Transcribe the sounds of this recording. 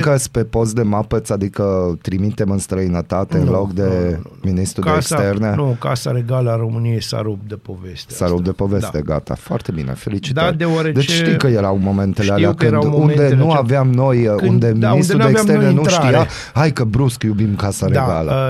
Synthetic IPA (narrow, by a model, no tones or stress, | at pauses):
kəspe̞po̞s̬t̪̚d̪e̞mapəsad̪ikət̪ɾimit̪e̞mɨnst̪ɾəinət̪at̪eɨnnlo̞kd̪eminist̪ɾud̪eekst̪erne̞nukasa̰ɾeɡaləaɾomɨnijejsa̰ɾup̚d̪epovessaɾup̚d̪e̞po̞ve̞t̪eɡa̰t̪a̰foa̰rt̪e̞bḭnḛfe̞lit͡ʃi̥t̪t̪d̪ewaɾed̪e̞t͡ʃʃt̪ikəjeɾawmo̞me̞nt̪elealeakɨnd̪und̪e̞nuaveamno̞jund̪e̞minist̪ɾuekt̪enenuʃt̪ija | ajkəbɾuskjubimkasaɾeɡalə